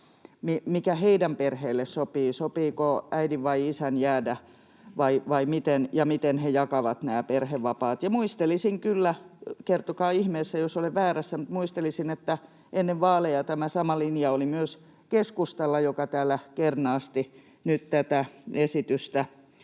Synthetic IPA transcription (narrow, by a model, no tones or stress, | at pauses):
mimikæheidæmperheːlːessopiːsopiːkoæidiʋʋɑiisænjæːdæ | ʋɑiʋɑimit̪enjɑmit̪enhejɑkɑʋɑt̪næːperheʋʋɑpɑːt̪jɑmuist̪elisiŋkylːækert̪okɑːihmeːsːæjosoleʋʋæːɾæsːæmut̪muist̪elisinet̪ːæ | ʔenːeʋʋɑːlejɑt̪æmæsɑmɑlinjɑolimyøs | keskust̪ɑlːɑjokɑt̪æːlːˑækernɑːst̪i | nytt̪æt̪æesit̪yst̪æ